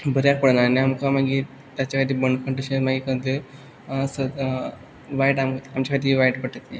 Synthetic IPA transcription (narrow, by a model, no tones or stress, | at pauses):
bʱəɾjak̚pəɽnaniamkamaɡiː | t̪jat͡ɕakʰad̪iːbəɳkʰəɳʈəɕemaɡiːkənd̪ə | sə | ʋajʈamamt͡ɕakʰːd̪iʋajʈpəʈət̪je